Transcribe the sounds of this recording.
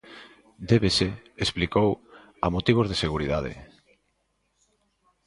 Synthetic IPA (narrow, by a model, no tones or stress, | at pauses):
d̪eβeseesplikow | amot̪iβ̞ozðeseɣ̞uɾiðað̞ḛ